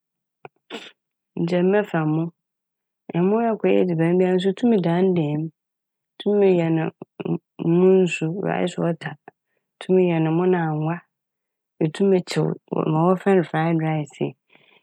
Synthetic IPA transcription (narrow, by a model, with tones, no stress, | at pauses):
n̩˨d͡ʑɛ̃˨mː˦ɛ̃˦fã˨mʊ̃˦ | ɛ˨˦mʊ̃˦ɛ˦kʰɔ˨jɛ̰˦di˨bæ̃˨˦m˦bi˦a˦n̩˦s̬u˦tʰũ˦mɪ̃˨dã˨˦n˦dɛ˨˦m˨ | tʰũ˦mɪ̃˨jɛ˨nɪ̰̃˨˦ | mʊ̃˦n̩˦su˦˨a̰˨˦ɪ̰˦sʊ˦ɔ˦tʰa˨ | tʰũ˦mɪ̃˨jɛ˨nɪ̃˨mʊ̃˦nã˨a˨ŋʷa˦ | ɛ˨tʰũ˦mɪ˨t͡ɕʰɪ̰˨w̰mã˨wɔ˦fɛ˦nɪ̃˨fa˦ɪ˦dɾa˦ɪ˨sɪ̰˨